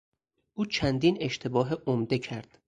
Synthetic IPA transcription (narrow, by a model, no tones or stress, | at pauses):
ʔuːt͡ʃʰænd̪iːne̞ʃt̪ʰe̞bɒːɦeʔomd̪e̞cʰæɾd̪̥